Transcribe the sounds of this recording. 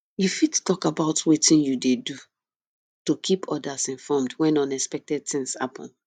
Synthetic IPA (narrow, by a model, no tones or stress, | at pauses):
jufidtɔkabaʊtwetĩnjudedu | tokʰipʰɔdasĩnfɔmdwɛ̃nɔ̃nɛspɛk̚tɛd̚θĩŋsha̰pʰɔ̰̃n